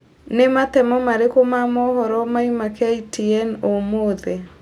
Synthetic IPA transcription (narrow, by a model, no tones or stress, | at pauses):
nematɛmɔmaɾekomamɔɦɔɾɔmaimakaitiɛnomoːðɛ